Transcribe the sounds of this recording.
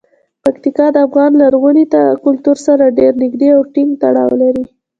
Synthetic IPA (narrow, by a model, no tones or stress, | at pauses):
pakt̪ikɑd̪əafɣɑnlaɾɣunit̪akʊlt̪uɾsaɾaɖeɾnɪɡd̪eawʈɪŋɡt̪aɽɑ̰wlaɾi